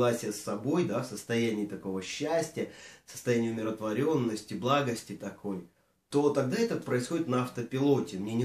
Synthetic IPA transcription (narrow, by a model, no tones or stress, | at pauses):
asʲɪjəsːɐbo̞jd̪afsəst̪ɐjænʲɪːt̪ɐko̞vəɕːæsʲtʲɪjəsə̥st̪ɐjænʲɪjʊmʲɪɾət̪vɐɾʲo̞nːəsʲtʲɪblˠaɡəsʲtʲɪt̪ɐkʰo̞j | t̪o̞t̪ɐɡ̚d̪aɛt̪əpɾəɪsxo̞dʲɪt̪nɐɐft̪əpʲɪlˠo̞tʲɪmnʲenʲɪ